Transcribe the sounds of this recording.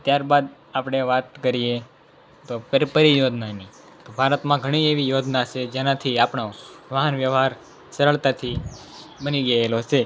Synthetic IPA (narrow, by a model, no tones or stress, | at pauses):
t̪jaɾbad̪ | apɽ̃eʋat̪kəɾije | t̪opəɾpəɾijod͡ʒ̪nani | t̪obʱaɾət̪mãɡʱəɽ̃ieʋijod͡ʒ̪nat͡ʃʰed͡ʒenãt̪ʰiapɳoʋəɦənʋjəʋɦaɾ | səɾəɭt̪at̪ʰibəniɡəelot͡ʃʰe